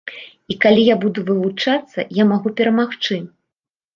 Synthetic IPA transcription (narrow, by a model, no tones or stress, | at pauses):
ikalʲijabud̪uvɨvut͡ʂat̪sːɐ̰jamaɣupʲɛɾɐmaxt͡ʂɨ